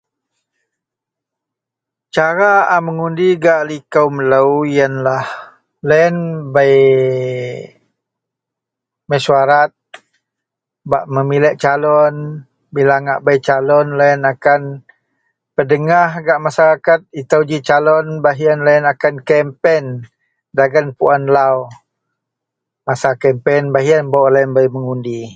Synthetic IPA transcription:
t͡ʃaɾaaməŋundiɡaʔlikəwmələwijənlah | lɛnbaj | məsuaɾat̪̚ | baʔməmilɛʔt͡ʃalɔn | bilaŋaʔbajt͡ʃalɔnlaənakan | pədəŋahɡaʔmasaɾakat̪̚it̪awd͡ʒit͡ʃalɔnbaɦianlaənakankɛmpɛn | daɡanpuanlaw | masakɛmpɛnbaɦianbawʔlaənbajməŋundi

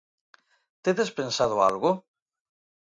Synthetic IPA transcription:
t̪eðespensað̞oa̰lɣʊ

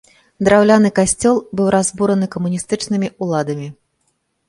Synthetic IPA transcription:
d̪ɾawlʲanɨkasʲt͡sʲɔlˠbɨwɾazbuɾɐnɨkɐmunʲist̪ɨt͡ʂnɨmʲiulˠad̪ɐmʲi

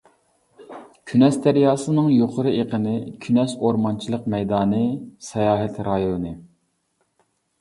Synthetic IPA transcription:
kʲʰynɛsd̪æɾjɑːsɨnɨŋjoqʰʊɾɨeqʰənɨkʲʰynɛsoɾmɑnt͡ʃʰilˠəqmɛjd̪ɑːnɨsɛjɑːɦɛt̪ɾɑjonɨ

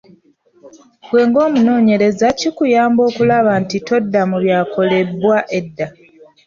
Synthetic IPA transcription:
bwe̞ːŋɡo̞ːmuno̞ːɲe̞ɾe̞zacikujaːmbo̞ːkulaβantito̞dːamuβjaːko̞le̞bwaʔe̞dːa

